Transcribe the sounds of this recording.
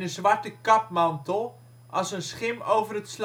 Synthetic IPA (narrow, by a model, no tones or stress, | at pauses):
nəzʋartəkɑpmɑntəl̩ˠ | ʔɑsənsχɪmowvərətsl